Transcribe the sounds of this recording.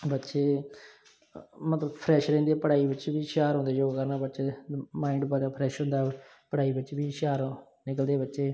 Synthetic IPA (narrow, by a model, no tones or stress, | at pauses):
bətːʃeː | mət̪ləbpʰɾɛːʃɾɛ̃ːnd̪eːpəɽaːiːbətːt͡ʃeːbiːʃaːɾɦõnd̪eːd͡ʒoːɡkəɾnaːbətːʃeːmaːɪ̃ɳɖbaːd͡ʒaːpʰɾɛːʃɦʊ̃nd̪aː | pəɽaːiːbətːt͡ʃebiːʃaːɾ | nɪkəld̪eːbətːʃeː